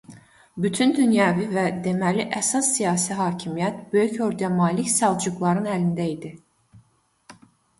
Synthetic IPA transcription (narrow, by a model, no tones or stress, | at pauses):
byt̪ʰynd̪ynjɑːvivæd̪e̞mæliʔæsɑsːijɑːsiɦɑːcʰimijæt̪bø̞jyco̞ɾd̪jɑmɑːlicsɑlˠd͡ʒuɡlˠɑɾɯnælind̪æid̪i